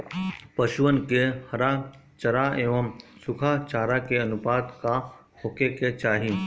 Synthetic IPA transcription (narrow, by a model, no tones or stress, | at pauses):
pɐʃʊʋənkehɐɾat͡ʃɐɾaeːʋəmsʊkʰat͡ʃaːɾakeɐnʊpaːd̪ka | hʊkeket͡ʃaːɦĩ